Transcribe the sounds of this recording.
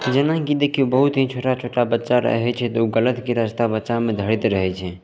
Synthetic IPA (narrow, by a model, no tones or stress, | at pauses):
d͡ʒənãkid̪eːkʰijobəɦut̪ɦĩt͡ʃʰoːʈat͡ʃʰoːʈabətːt͡ʃaɾə̰ɦɛt͡ʃʰɛt̪uɡələt̪keɾəst̪abətːt͡ʃamẽd̪ʱəɽit̪ɾəɦɛt͡ʃʰɛ